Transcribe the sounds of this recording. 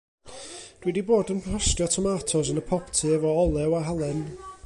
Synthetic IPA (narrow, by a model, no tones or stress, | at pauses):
d̥wɛdiboːdənkʰrɔstjɔtʰɔmaːtʰɔsənəpʰɔptʰɨɛvɔɔlˠɛwaɦalˠɛn